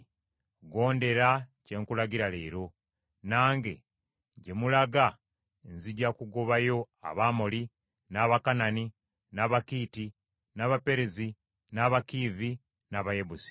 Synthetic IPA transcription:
ɡo̞ːnde̞ɾace̞ːŋkulaɡiɾaleːɾo̞ | naːŋɡe̞̰ | ɟe̞mulaɡa | enziɟakuɡoβajo̞ | a̰βamoli | naβakanani | naβakiːti | naβape̞ɾezi | naβakivi | naβajebusi̥

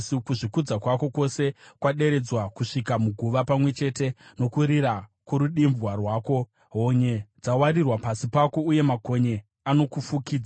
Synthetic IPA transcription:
kuʐikud͡zakwako̞ko̞se̞kwaɗe̞ɾe̞d͡zwakuʂikamuɡʱuʋapamwe̞t͡ʃe̞ːte̞no̞kuɾiɾakuɾuɗimvwarwaːko̞ | ɦo̞ɲed͡zawarirwapasipako̞uje̞mako̞ɲe̞ | ano̞kufukiːd͡za

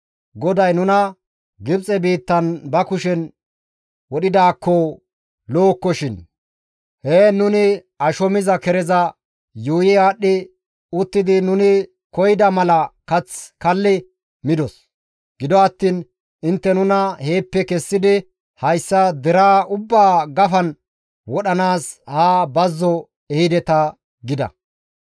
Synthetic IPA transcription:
ɡɔd̪ɐjnʊnɐ | ɡɪbt͡sʼɛbiːt̪ːɐnbɐkʊʃɛn | wɔɗɪd̪aːkːɔ | loːkːɔʃɪn | heːnʊnɪ | ɐʃɔmɪzɐkɛɾɛzɐ | juːjɪaːɗːɪ | ʊt̪ːɪd̪ɪnʊnɪ | kɔjɪd̪ɐmɐlɐkɐt͡skɐlːɪ | mɪd̪ɔs | ɡɪd̪ɔɐt̪ːiːn | ɪnt̪ːɛnʊnɐhe̞ːpːɛkɛsːɪd̪ɪ | hɐjsːɐd̪ɛɾaːʊbːaːɡɐfɐn | wɔɗɐnaːshaːbɐzːɔ | ɛhɪd̪ɛt̪ɐ | ɡɪd̪ɐ̰

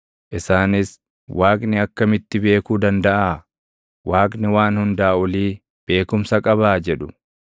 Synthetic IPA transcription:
ʔɪsaːnɪs | wʔaːkʼnɪɐkːɐmɪt̪ːɪbe̞ːkuːd̪ɐnd̪ɐʔaː | waːkʼnɪwaːnhʊnd̪aːɔliː | b̥e̞ːkʊmsɐkʼɐβaːd͡ʒɛᶑʊ

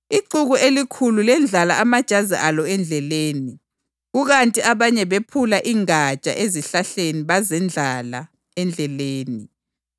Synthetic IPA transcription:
iǃuɣuʔelikʰululɛnd͡ɮʱalaamad̥ʒ̥ʱazḭʔalɔɛnd͡ɮʱɛleːni | ɣuɣantʼiaβaɲɛβepʰulaʔiŋḁt͡ʃʼa̰ʔeziɬaɬeniβazɛnd͡ɮʱala̰ | ɛnd͡ɮʱɛleːni

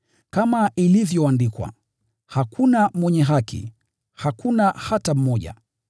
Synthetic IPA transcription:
kamaʔilivjɔandikwa̰ | hakʰunamwɛɲɛɦakḭ | hakunahatam̩mɔʄa̰

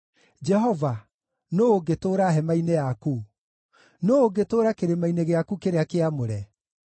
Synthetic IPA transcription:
d͡ʒɛɦɔva | noːɡetoːɾaɦɛmainejaku | noːɡetoːɾakeɾemaineɣeakukeɾeakeamoɾɛ

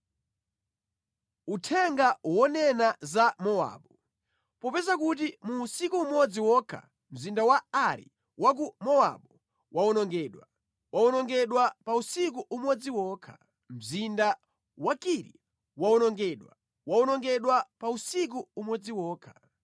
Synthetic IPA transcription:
utʰɛŋɡawɔnɛnazamɔa̰ːɓɔ | pɔpɛzakut̬imusikuːmɔd͡ziwɔːkʰa̰ | m̩zindawaaɾḭ | wak̬umɔwa̰ɓɔ | wʔaɔnɔŋɡɛɗwa | waɔnɔŋɡɛɗwapausik̬uʔumwɔd͡ziwɔːkʰḁ | m̩zinda | wakiɾḭ | waɔnɔŋɡɛɗwa | waɔnɔŋɡɛɗwapausik̬uːmɔd͡ziwɔːkʰḁ

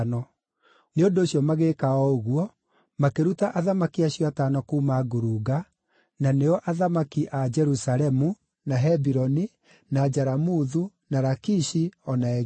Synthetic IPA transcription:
nɔ | neondoːɕjɔmaɣekaɔoɣuɔ | makeɾutaʔaðamakiaɕjɔataːnɔkuːmaɡoɾuɡa | naneɔʔaðamakiʔad͡ʒɛɾusaɾɛmu | naɦɛbiɾɔni | nad͡ʒaɾamuðu | naɾakiʃiɔnaɛ

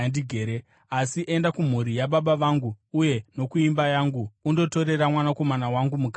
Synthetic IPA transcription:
ndiɡʱeɾe | asiʔe̞ndakum̤uɾijaɓaɓaʋaŋɡuːje̞no̞kuimbajaŋɡuːndo̞to̞ɾe̞ɾamwanako̞manawaŋɡumuka

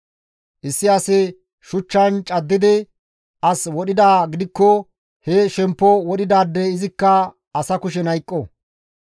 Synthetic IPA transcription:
ʔɪsːɪɐsɛ | ʃʊt͡ʃːɐnt͡ʃʼɐd̪ːɪd̪ɪ | ʔɐswɔɗɪd̪aːɡɪd̪ɪkːɔ | heʃɛmpːɔwɔɗɪd̪aːd̪ːɛɪzɪkːɐ | ɐsɐkʊʃɛnɐjkʼːɔ

